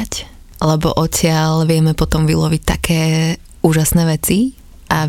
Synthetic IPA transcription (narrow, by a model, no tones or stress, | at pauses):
c | lɛbɔ̰ʔɔcɪalʋɪɛmɛpɔt̪ɔmʋilɔʋic̚t̪a̰kʰɛː | uːʒasnɛːʋɛt͡si | ʔa